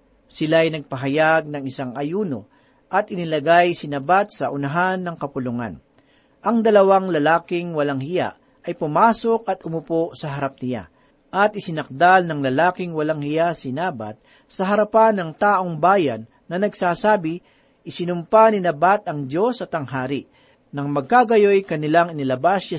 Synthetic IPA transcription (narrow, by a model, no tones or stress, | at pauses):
sɪlajnɐɡ̚pɐɦɐjaɡ̚nɐŋɪsaŋʔɐjuːno̞ | ʔɐt̪ʔɪnɪlɐɡajsɪnɐbat̪̚sɐʔʊnɐɦanːɐŋkɐpʊlʊŋa̰n | ʔɐŋd̪ɐlɐwaŋlɐlaːkɪŋwɐlaŋhɪja̰ʔ | ɐjpʊmaːso̞k̚ɐt̪ʔʊmʊposɐɦɐɾap̚nɪla̰ | ʔɐt̪̚ʔɪsɪnɐk̚d̪alnɐŋlɐlaːkɪŋwɐlaŋhɪjasɪnaːbɐ̰t̪̚ | sɐɦɐɾɐpanːɐŋt̪aːʔo̞ŋbaːjɐnːɐnɐɡsaːsaːbɪ | ʔɪsɪnʊmpanɪnɐbat̪ɐŋd͡ʒo̞sɐt̪ɐŋɦaːɾɪ | nɐŋmɐɡ̚kaɡɐjojkɐnɪlaŋɪnɪlɐbasa